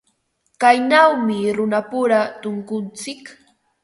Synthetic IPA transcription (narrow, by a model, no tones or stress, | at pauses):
kajnawmɪɾʊnapʊɾat̪ʊŋkʊnt͡sɪk